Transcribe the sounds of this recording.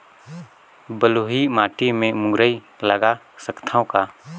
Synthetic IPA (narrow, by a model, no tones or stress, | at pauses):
bəloːɦimaːʈimẽmʊ̃ŋɡɾəi | ləɡa | səkt̪ʰaõkaː